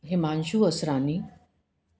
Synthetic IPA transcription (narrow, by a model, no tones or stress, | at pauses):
ɦemanɕuːəsɾani